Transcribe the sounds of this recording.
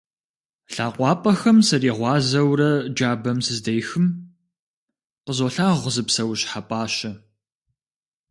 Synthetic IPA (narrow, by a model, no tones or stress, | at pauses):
ɬaːqʷɑːpʼɐxɐmsɐriːʁʷɑːzɐwrɐd͡ʒaːbɐmsɨzdɐjxɨm | qəzoːɬaːʁʷzɨpsɐwɕħapʼaːɕɐ